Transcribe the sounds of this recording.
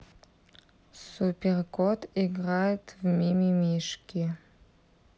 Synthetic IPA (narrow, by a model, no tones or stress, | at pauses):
supʲerkʰotʰiɡrajetʰvmʲimimiʂkʲi